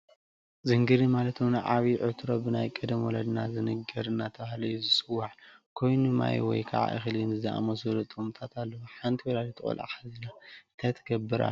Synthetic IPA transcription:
zɨŋɡɨɾimalɐt̪ʰmnaʕaβiʕɨt̪ʰɾo̞bɨnajkʼɨd̪mwɔlɐd̪nazɨnɨɡɐɾɨnːat̪ʰɐβahlɐjːuzɨsʼɨwːaʕkʰo̞jnuma̰j̰wɔ̰jkʰa̰ʕa̰ʔɨ̰xɨlɨnzɨzɐʔa̰mozɨlot̪ʼumt̪ʰat̪ʰalːɐwuħant̪ʰiwɔlalit̪ʰɨχʼo̰lʔʔa̰ħazɐnaɨnt̪ʰajt̪ʰɐɡɐbːɨɾa̰

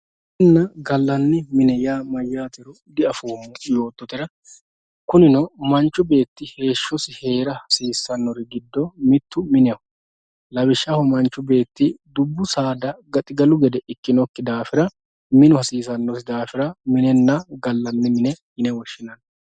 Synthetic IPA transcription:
ɛnːɐɡɐlːɐnːɪmɪnɛjaːmɐjːaːt̪ɛɾʊ | d̪ɪɐfuːmʊjo̞ːt̪ʼːɔt̪ɪɾɐ | kʊnɪnɔmɐnt͡ʃːʊbe̞ːt̪ːɪhe̞ːʃːɔsɪhe̞ːɾɐhɐsiːsːɐnːɔɾɪɡɪd̪ːɔmɪt̪ːʊmɪnɛɔ | lɐbɪʃːɐhʊmɐnt͡ʃːʊbe̞ːt̪ːɪd̪ʊbːʊsaːd̪ɐɡɐt̪ʼɪɡɐlʊɡɛd̪ɛʔɪkːɪnɔkːɪd̪aːfɪɾɐ | mɪnʊhɐsiːs̬ɐnːɔs̬ɪd̪aːfɪɾɐmɪnɛnːɐɡɐlːɐnːɪmɪnɛhɪnɛwɔʃːɪnɐn

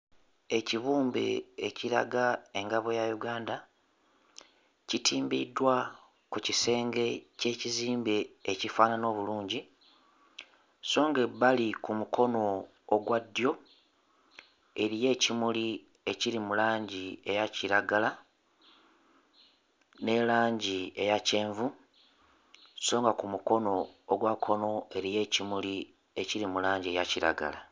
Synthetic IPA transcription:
e̞ciβuːmbḛːciɾa̰ɡae̞ŋɡaβo̞jajuɡaːnda | citʰiːmbidːwa | kucise̞ːŋɡe̞ce̞ːciziːmbe̞ːcifaːnano̞ːβuluːɲɟi | so̞ːŋɡe̞balikumukʰo̞no̞ː | ɡwadjo̞ | e̞ɾije̞ːcimuli | e̞ciɾimulaːɲɟie̞jaciɾaɡala | ne̞laːɲɟie̞jace̞ːɱvu | so̞ːŋɡakumuko̞no̞ːɡwakʰo̞no̞e̞ɾije̞ːcimuli | e̞ciɾimulaːɲɟie̞jaciɾa̰ɡa̰la

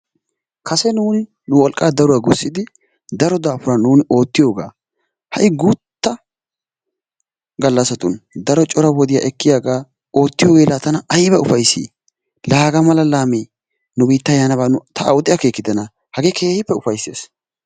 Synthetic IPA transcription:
kʰɐsɛnuːnɪ | nʊwɔlkʼːaːd̪ɐɾʊwaɡʊsːɪd̪ɪ | d̪ɐɾɔd̪aːfʊɾɐnuːnɪʔo̞ːt̪ːɪjo̞ːɡa̰ː | hɐjɡut̪ːɐ | ɡɐlːɐsɐt̪ʊnd̪ɐɾɔt͡ʃʼɔɾɐwɔd̪ɪja̰ːʔɛkːɪjaːɡaː | o̞ːt̪ːɪjo̞ːɡe̞ːlaːt̪ɐnɐɐjbɐʊfɐjsḭː | laːɡɐmɐlɐlaːmeː | nʊbiːt̪ːɐjanɐβaːnʊt̪ʰɐːwʊt̪ʼːɪjake̞ːkːɪd̪ɐnɐ | hɐɡe̞ːke̞ːhɪpːɛʊfɐjsːḛːs

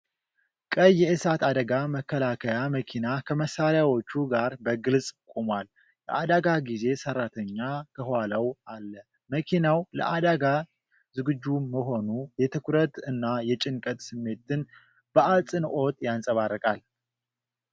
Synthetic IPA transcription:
kʼəjːɛɨsat̪ad̪əɡaməkʰːəlakʰəjaməkʰinakʰəməsːaljawo̞t͡ʃːuɡaɾbəɡɨlsʼkʼomwal | lɛ̰ʔad̪aɡaɡize̞sərat̪ʰəɲːakʰəhaləwalːə | məkʰinawlə̰ʔad̪aɡa | zɨɡɨd͡ʒːuməɦo̞nujɛt̪ʰɨkʷʰɾət̪ɨnːajɛt͡ʃʼɪŋkʼət̪ʼsɨmːe̞t̪ɨn | b̥əʔalt͡sʼɨnʔo̞t̪ʼjansʼəβarːəkʼal

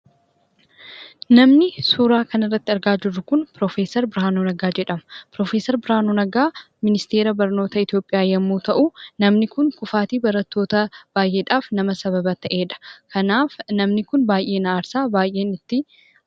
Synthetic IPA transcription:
nɐmnɪsuːɾaːkɐnɪrːɐt̪ːɪɐɾɡaːd͡ʒɪrːʊkʊnpɾoːfeːsɐɾbɪɾaːnoːnɐɡaːd͡ʒɛᶑɐmɐpɾo̞ːfeːsɐɾbɪɾaːnoːnɐɡaː | mɪnɪst̪eːɾɐbɐɾno̞ːt̪ɐɪt̪ɪjo̞ːpʼɪjaːjɐmːuːt̪ɐʔʊnɐmnɪkʊŋkʊfaːt̪iːbɐɾɐt̪ːo̞ːt̪ɐb̥aːjʔe̞ːᶑaːfnɐmɐsɐβɐbɐt̪ɐʔe̞ːᶑɐ̥kʰɐnaːfnɐmnɪkʊnbaːjʔe̞ːnɐaːɾsaːbaːjʔe̞ːnɪt̪ːɪ

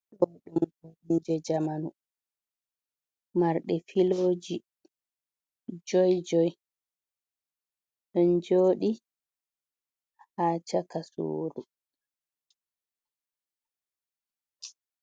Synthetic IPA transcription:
ɗɔɗumɡoind͡ʒɛd͡ʒamanu | ɗmaɾɗɛfiloːd͡ʒi | d͡ʒɔjd͡ʒɔj | ɔnd͡ʒoːɗi | haːt͡ʃakasṵːɾu

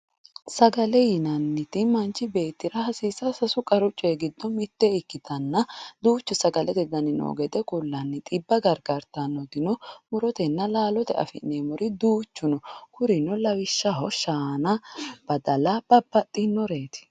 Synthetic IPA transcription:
sɐɡɐlɛjɪnɐnːɪt̪ɪmɐnt͡ʃːɪbe̞ːt̪ːɪɾɐhɐsiːsɐsɐsʊkʼɐɾʊt͡ʃʼːɔɡɪd̪ːɔmɪt̪ːɛɪkːɪt̪ʰɐnːɐd̪uːt͡ʃːʊsɐɡɐlɛt̪ɛd̪ɐnɪno̰ːɡɛd̪ɛkʼʊlːɐnːɪt̪ʼɪbːɐɡɐɾɡɐɾt̪ɐnːɔd̪ɪnɔmʊɾɔt̪ɛnːɐlaːlɔt̪ɛ̰ɐ̰fɪ̰nːemɔɾɪd̪uːt͡ʃːʊnɔkʊɾɪnɔlɐwɪʃːɐɦɔʃaːnɐb̥ɐd̪ɐlɐb̥ɐb̥ːɐt̪ʼːɪnːɔɾeːt̪ɪ̥

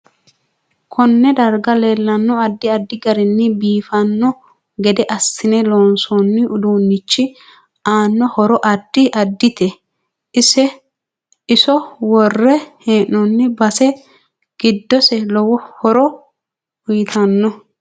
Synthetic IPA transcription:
kʰɔnːɛd̪ɐɾɡɐle̞ːlːɐnːɔɐd̪ːɪɐd̪ːɪɡɐɾɪnːɪbiːfɐnːɔ | ɡɛd̪ɛʔɐsːɪnɛloːnsɔnːɪʔʊd̪uːnːɪt͡ʃːɪ | aːnːɔhɔɾɔʔɐd̪ːɪʔɐd̪ːɪt̪ɛ | ɪsɛ | ɪsɔwɔrːɛheːnːɔnːɪbɐsɛ | ɡ̥ɪd̪ːɔsɛlɔwɔhɔɾɔ | wʊjɪt̪ʰɐnːɔ

